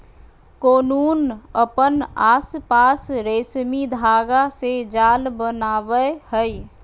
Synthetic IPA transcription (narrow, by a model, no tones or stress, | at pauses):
koːnuːnəpənaːspaːsɾesmid̪ʱaːɡased͡ʒaːlbənaːʋəhəj